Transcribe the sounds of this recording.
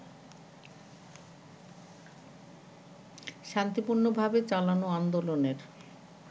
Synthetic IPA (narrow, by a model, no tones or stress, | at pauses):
ʃant̪ipuɾnobʱabet͡ɕalanoand̪oloneɾ